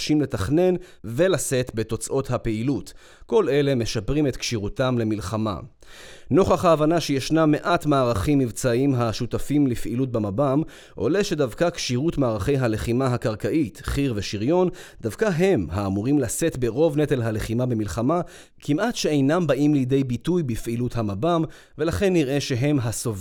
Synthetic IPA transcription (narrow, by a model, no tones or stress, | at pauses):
ʃimle̞taχne̞n | ve̞lase̞t̪be̞to̞t͡sʔo̞thape̞ilut | ko̞le̞le̞me̞ʃapʁimet̪kʃiʁutamle̞milχama̰ | no̞χaχhaːvanaʃejeʃnamːe̞ʔatmaːʁaχimːivt͡saʔimɦaʃutafimlifʔḭlut̚bemabam | ʔo̞̰leʃe̞davkakʃiʁutmaːʁaχe̞jɦale̞χimaɦakaʁkaʔitχiʁveʃiʁjo̞nd̥avkaɦe̞mhaːmuʁimlase̞tbeʁo̞vnet̪elɦaleχimabemilχama | kʰimʔatʃeejnambaʔimlijde̞jbitujbifʔiluthamabam | ve̞laχe̞nːiʁʔe̞ʃe̞ɦe̞mɦasov